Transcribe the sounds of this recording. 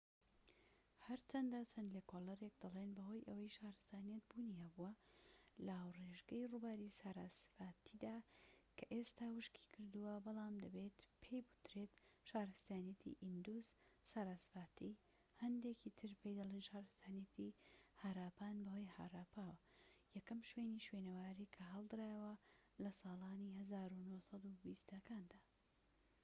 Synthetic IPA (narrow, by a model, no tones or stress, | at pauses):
hɐɾt͡ʃʰɐnd̪at͡ʃʰɐnlekʰolɐɾek̚d̪ɨlˠenbɐɦo̞ːjʔɐwɐjʃaːɾɨst̪aːnijɐt̪̚buniabuwɐlaːwreʒɡɐjrubaɾisaɾaːsfaːt̪ʰid̪aːkʰɐʔest̪aːwɨʃkʰi̥kʰɨɾd̪uwɐbɐlaːmd̪ɐbeːt̪pʰejbu̥t̪ɾeːt̪ʃaːɾɨst̪aːnijɐt̪ʰḭʔind̪uzsaːɾaːsfaːt̪i | hɐnd̪ekʰit̪ʰɨɾpʰejd̪ɐlˠeːnʃaːɾɨst̪ʰaːnjɐt̪ʰihaːɾaːpaːnbɐwojha̰ːɾaːpʰaːwɐjɐkɐmʃweːniʃweːnɐwaːɾikʰɐɦɐlˠd̪ɨɾaːjwɐ | lɐsɑːlaːnihɐzaːɾunosɐd̪ubist̪ɐkʰaːnd̪aː